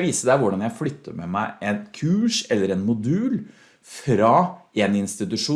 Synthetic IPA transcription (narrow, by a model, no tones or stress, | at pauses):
ʋiːsəd̪æʋʊɖɑnjæɪflʏt̪ʰːə̰ɾmɛmæɪʔɛnkʰʉːʂɛlːəɾɛnmʊd̪ʉːl | fɾɑɛnɪnst̪ɪt̪ʉʂuː